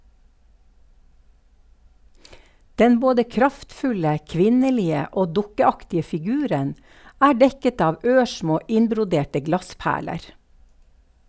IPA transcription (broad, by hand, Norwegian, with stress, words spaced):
ˈdɛn ˈboːdə ˈkɾɑftˌfʉlə ˈkʋɪnəˌliːə ˈoː ˈdʊkəˌɑktɪə fɪˈɡʉːɾən ˈæː ˈɖɛkət ˈɑːʋ ˈøːˌʃmoː ˈʔɪnbɾʊˌdeːʈə ˈɡlɑˌspæːɭəɾ